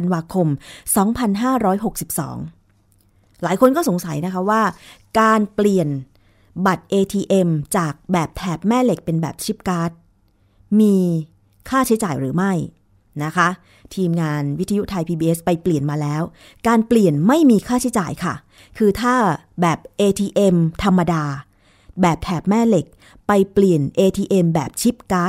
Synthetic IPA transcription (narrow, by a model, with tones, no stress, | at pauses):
nwaː˧kʰo˧msɔː˩˦ŋpʰa˧nɦaː˥˩ɾɔː˦˥jɦo˨˩k̚si˨˩p̚sɔ̰ː˩˦ŋ | laː˩˦jkʰo˧nkɔː˥˩o˨˩˦ŋsa˩˦jna˦˥kʰa˦˥waː˥˩kaː˧npli˨˩ən | ba˨˩t̪̚ʔeː˧t̪ʰiː˧ʔe˧mt͡ɕaː˨˩k̚bɛː˨˩p̚t̪ʰɛː˨˩p̚mɛː˥˩le˨˩k̚pe˧nbɛ̰ː˨˩p̚t͡ɕʰi˦˥p̚kaː˦˥t̪̚ | miː˧ | kʰaː˥˩t͡ɕʰt͡ɕaː˨˩jɾɯː˩˦ma˥˩j | na˦˥kʰa˦˥ʔ | t̪ʰiː˧mŋaː˧nwi˦˥t̪ʰːa˧ju˦˥t̪ʰa˧jpʰiː˧biː˧ʔe˦˥spa˧jpli˨˩ənmaː˧lɛː˦˥w | kaː˧npli˨˩ənma˥˩jmiː˧kʰaː˥˩t͡ɕʰi˦˥t͡ɕa̰ː˨˩jkʰa˥˩ | kʰɯː˧t̪ʰaː˥˩ | bɛː˨˩p̚ʔeː˧t̪ʰiː˧ʔe˧mt̪ʰa˧mːa˧daː˧ | bɛː˨˩p̚t̪ʰɛː˨˩p̚mɛː˥˩le˨˩k̚ | pa˧jpli˨˩ənʔeː˧t̪ʰiː˧ʔe˧mbɛː˨˩p̚t͡ɕʰi˦˥p̚kaː˦˥t̪̚